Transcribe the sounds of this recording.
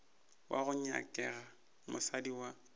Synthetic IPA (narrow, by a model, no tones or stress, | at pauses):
wʔa̰ɣʊɲa̰kʼɛɣa | mʊsadiwa